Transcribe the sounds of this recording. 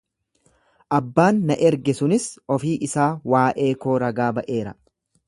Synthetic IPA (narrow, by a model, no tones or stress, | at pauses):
ʔɐbːaːnːɐʔɛɾɡɛsʊnɪsɔfiːʔɪsaːwaːʔe̞ːko̞ːɾɐɡaːbɐʔe̞ːɾɐ